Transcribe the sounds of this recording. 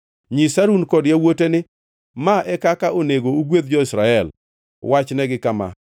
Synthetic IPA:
ɲisaɾunkɔdjawotenɪ | maɛkakaoneɡouɡwed̪̚d͡ʒɔɪsɾaɛl | wat͡ʃnɛɡɪkama̰

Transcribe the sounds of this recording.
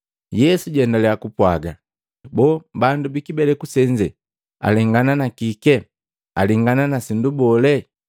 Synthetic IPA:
jɛsuɟɛndalɛakupwaɡa | bɔːbandubikibɛlɛkusɛɲd͡ʒɛ | a̰lɛŋɡananakikɛ | a̰liŋɡananasindubɔlɛ

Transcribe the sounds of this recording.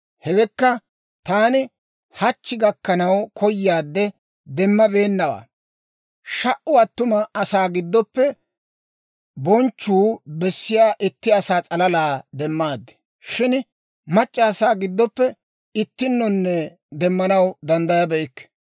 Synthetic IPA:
hɛwɛkːɐ | t̪aːnɪ | hɐt͡ʃːɪɡɐkːɐnɐwkʰɔjːaːd̪ːɛ | d̪ɛmːɐbe̞ːnːɐwa̰ː | ʃɐʔʊɐt̪ːʊmɐɐsaːɡɪd̪ːɔpːɛ | bɔnt͡ʃːuːbɛsːɪjaːʔɪt̪ːɪɐsaːt͡sʼɐlɐlaːd̪ɛmːaːd̪ːɛ̥ | ʃɪn | mɐt͡ʃʼːɐːsaːɡɪd̪ːɔpːɛ | ɪt̪ːɪnːɔnːɛ | d̪ɛmːɐnɐwd̪ɐnd̪ɐjɐbɛɪkːɛ̥

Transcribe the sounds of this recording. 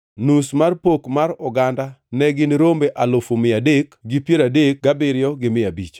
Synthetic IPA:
nusmarpokmaɾʊɡandanɛɡɪnɾombeʔalofomɪadekɡɪpjeɾadek̚ɡabɪɾjɔɡɪmɪabḭt͡ʃ

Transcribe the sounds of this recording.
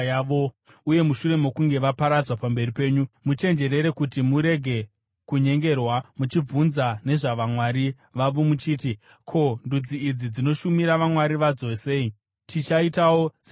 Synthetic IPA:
ʋo | uje̞muʃure̞mo̞kuŋɡe̞ʋapaɾad͡zwapambe̞ripe̞ːɲumut͡ʃe̞nd͡ʒe̞ɾe̞ɾe̞kutimuɾe̞ɡʱe̞ | kuɲe̞ŋɡe̞rwamut͡ʃib͡vunzane̞ʐaʋamwaːɾi | ʋaʋomut͡ʃiːti | kʰo̞ndud͡ziːd͡zid͡zino̞ʃumiɾaʋamwaɾiʋad͡zosei | tʰit͡ʃaitawos

